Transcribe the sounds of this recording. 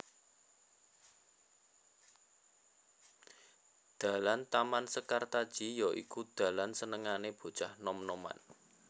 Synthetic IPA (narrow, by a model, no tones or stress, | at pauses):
d̪̥a̤lant̪amansəkart̪ad̥ʒ̥i̤jɔʔḭkud̪̥a̤lansənəŋaneb̥o̤̥t͡ʃahnɔmnɔma̰n